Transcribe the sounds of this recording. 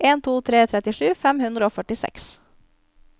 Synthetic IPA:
ʔeːnt̪ʰuːt̪ʰɾeːt̪ʰɾɛt̪ɪʂʉːfɛmhʉnd̪ɾəoːfœʈɪsɛ̰ks

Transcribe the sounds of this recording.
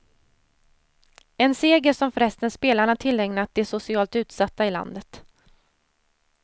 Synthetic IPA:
ɛnseːɡəɾsɔmfɾɛst̪ənspeːlaɳat̪ʰɪlːɛŋnat̪̚d̪ɛsʊsɪɑːlt̪ʉ̟ːt̪sat̪ːaɪla̰nd̪ət̪

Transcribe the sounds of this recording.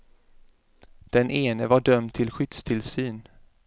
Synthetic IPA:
d̪̥ɛnʔeːnəvaɖœmt̪ʰɪlɧʏt̪st̪ʰɪlsyːn

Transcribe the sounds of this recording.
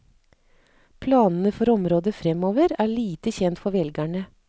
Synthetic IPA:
pʰlɑːnn̩əfɔɾɔmɾoːd̪əfɾɛmoːʋəɾæːɭiːt̪əçɛnt̪fɔɾʋɛlɡæɳə

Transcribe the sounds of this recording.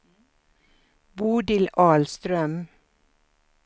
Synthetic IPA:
buːd̪ɪlʔɑːlst̪ɾœm

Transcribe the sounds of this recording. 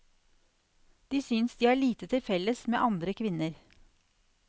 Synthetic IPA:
d̪̥iːsynsd̪iːæːɭiːt̪ət̪ʰɪlfɛlːəsmḛːʔɑnd̪ɾəkʰʋɪnəɾ

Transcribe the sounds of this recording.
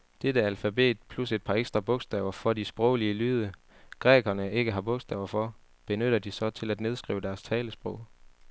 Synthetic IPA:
d̥ed̥əælfæbe̝̰ːd̥pʰluse̝d̥̚pʰɑ̈eɡ̥sd̥ʁɑ̈b̥ɔ̽ɡ̥sd̥ɛ̰ːʊɐfɒ̽disb̥ʁɔʊliəlyːðˠə | ɡ̥ʁɛːɡ̥ɐnəe̝ɡ̥əɦɑ̈b̥ɔ̽ɡ̥sd̥ɛ̰ːʊɐfɒ̽ | b̥e̝nøɾ̥ɐd̥isɒ̽t͡sʰe̝læd̥ne̝ð̞ˠsɡ̥ʁḭːʊəd̥æɐst͡sʰɛːləsb̥ʁɔ̽ʊ̰

